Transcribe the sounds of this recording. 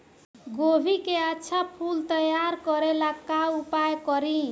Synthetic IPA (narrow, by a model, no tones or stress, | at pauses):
ɡobʱikeatːsʰapʰult̪ʌjaɾkʌɾelakaupajkʌɾi